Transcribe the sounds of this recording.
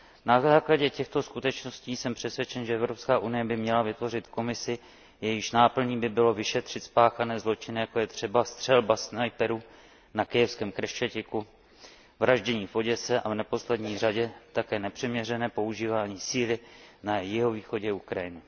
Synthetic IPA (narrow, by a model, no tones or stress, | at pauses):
nazaːklaɟɛcɛxt̪o̞skut̪ɛt͡ʃno̞sciːsɛmpr̥ɛsvjɛt͡ʃɛnʒɛɛvɾo̞pskaːʔunɪjɛbɪmɲɛlavɪt̪vo̞r̝ɪt̪ko̞mɪsɪ | jɛjɪʃnaːpl̩ɲiːbɪbɪlo̞vɪʃɛt̪r̝̥ɪt̪spaːxanɛːzlo̞t͡ʃɪnɪjako̞jɛt̪r̝̥ɛbast̪r̥ɛlbasnajpɛɾu | nakɪjɛfskɛːmkɾɛʃt͡ʃacɪku | vɾaʒɟɛɲiːfo̞ɟɛsɛʔavnɛpo̞slɛdɲiːraɟɛt̪akɛːnɛpr̝̥ɪmɲɛrɛnɛːpo̞uʒiːvaːɲiːsiːlɪnajɪɦo̞viːxo̞ɟɛukɾajɪnɪ